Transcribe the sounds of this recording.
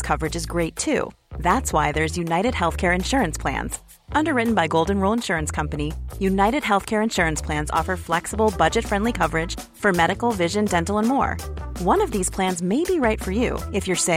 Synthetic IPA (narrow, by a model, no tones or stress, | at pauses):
kʰʌvə˞ɨd͡ʒɨzɡɹeɪtʰʉ̰ðætswaɪðə˞zjʉnaɪɾɨd̚hɛlˠθkʰɛɹɨ̃nʃʊɹɨ̃nspʰl̥æ̰̃nz̥ | ʔʌ̃ndə˞ɹɪʔn̩baɪɡoʊlˠdⁿn̩ɹulˠə̃nʃʊɹɨ̃nskʰʌ̃mpɨnijʉnaɪɾɨd̚ɦɛlˠθkʰɛɹɨ̃nʃʊɹɨ̃nspʰl̥æ̃nzɔ̰fə˞flɛksəbl̩ˠbʌd͡ʒɨtfɹɛ̃ndˡlikʰʌvə˞ɨd̥ʒ̥ | fə˞mɛɾɨkl̩ˠvɪʒɨ̃ndɛ̃ntˡl̩ˠə̃nmɔ̰ɹ | wʌ̃nʌvðiz̥pʰl̥æ̃nzmeɪbiɹaɪtfə˞jʉ̰ɨfjə˞se